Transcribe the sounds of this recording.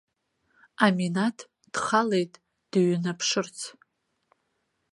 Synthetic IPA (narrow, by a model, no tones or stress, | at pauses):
aminatʰ | d̥χale̞jtʼ | d̥ɥnapʰʂɨrt͡sʰ